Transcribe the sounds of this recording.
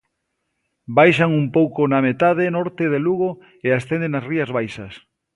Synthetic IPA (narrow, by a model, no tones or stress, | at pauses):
bajʃaŋumpowkonamet̪aðenɔɾt̪eðeluɣ̞o | east̪end̪enasriɐzβajʃɐs